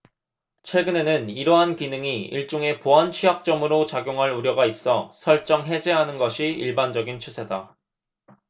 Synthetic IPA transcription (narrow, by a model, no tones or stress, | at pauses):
t͡ɕʰwe̞ɡɯne̞nɯniɾʌɦankinɯŋiiɭt͡ɕ͈oŋe̞poɦant͡ɕʰiɦak̚t͡ɕ͈ʌmɯɾot͡ɕaɡjoŋɦaɭuɾjʌɡais͈ʌsʰʌɭt͡ɕ͈ʌŋɦe̞d͡ʑe̞ɦanɯnɡʌɕʰiiɭband͡ʑʌɡint͡ɕʰusʰeda